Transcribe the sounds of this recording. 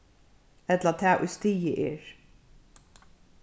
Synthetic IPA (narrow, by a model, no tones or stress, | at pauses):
ɛt̪lat̪ʰæːʔʊ̰jst̪iːəʔeːɹ